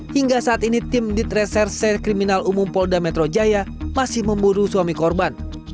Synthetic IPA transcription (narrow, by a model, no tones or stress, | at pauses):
hiŋɡasaːt̪init̪ɪmdit̪̚rɛsɛrsɛkɾiminalumʊmpɔdamɛt̪ɾod͡ʒajamasɪhməmbuɾusuamikɔrban